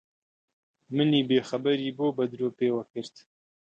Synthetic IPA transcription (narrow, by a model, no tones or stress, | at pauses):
mɨniːbeːxɐbaɾiːbobɐd̪ɾopeːwɐkɨɾt̪